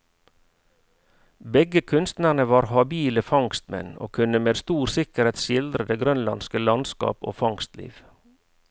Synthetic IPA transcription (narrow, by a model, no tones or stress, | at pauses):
bɛɡəkʰʉnst̪næɳəʋɑːɾhɑbiːləfɑŋst̪mɛ̰no̰ːkʰʉnəmeːd̪st̪uːɾsɪkəɾheːt̪ʃɪld̪ɾəd̪eːɡɾœnlɑ̰nskəlɑnskɑ̰ːpo̰ːfɑŋst̪lḭːʋ